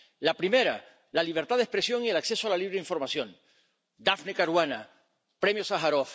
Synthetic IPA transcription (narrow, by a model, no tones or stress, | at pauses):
lapɾime̞ɾa | laliβ̞eɾt̪aðehspɾe̞sjo̞ŋielakse̞soalaliβɾeiɱfo̞ɾmasjo̞n | d̪afnekaɾwana | pɾe̞mjosaxaɾof